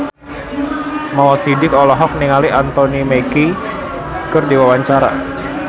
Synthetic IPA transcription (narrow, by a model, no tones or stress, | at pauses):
mawɔsidɪkɔlɔɦɔk̚niŋaliʔant̪onimeki | kɨrdiwawaɲt͡ʃaɾa̰